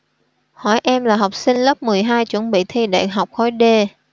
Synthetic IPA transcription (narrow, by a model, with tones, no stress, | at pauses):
hɔ˧˩jʔɛ˧mlaː˨˩ɦa˨˩wk͡p̚sï˧ŋ̟lə˦˥p̚mɨ˨˩əjɦaː˧jt͡ɕwə˧˥nɓḭ˧˨t̪ʰi˧ɗa̰ː˧˨ɦa˨˩wk͡p̚xɔ˨˦jɗe˧